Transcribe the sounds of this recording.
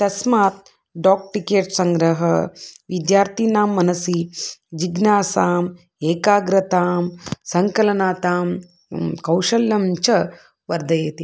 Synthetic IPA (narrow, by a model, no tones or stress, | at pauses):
t̪ɐsmaːt̪̚ | ɖaːk̚ʈikeːʈsɐŋɡɾɐɦɐ̰ʋid̪jaːɾt̪inaːmːɐnɐsid͡ʒiɡnaːsaːm | eːkaːɡɾɐt̪aːmsɐŋkɐlɐnaːt̪aːm | kɐwʃɐlːɐmt͡ʃɐ | ʋɐɾd̪ɐjeːt̪i